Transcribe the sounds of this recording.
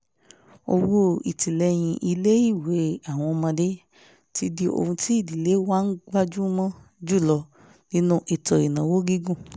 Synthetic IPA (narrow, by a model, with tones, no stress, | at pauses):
o̰˧wo˦i˨ti˨lɛ˧j̃ĩ˧ʔi˧le˦i˦˨we˨˦a˦˨w̃ɔ̃˧mã˧de˦ | ti˦di˧o̰˧hũ˧ti˦i˦˨di˨le˦wa˦˧n̩˦ɡ͡ba˦d͡ʒu˦mã˦d͡ʒu˦˨lɔ˧ | nĩ˦nũ˦ʔi˨tɔ˨i˨nã˨wo˦ɡi˦ɡũ˦˨